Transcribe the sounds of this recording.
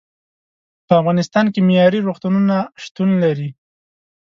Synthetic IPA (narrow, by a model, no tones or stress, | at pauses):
pəafɣɑnɪst̪ɑnkemejɑɾiɾoxt̪ununaʃt̪unlaɾi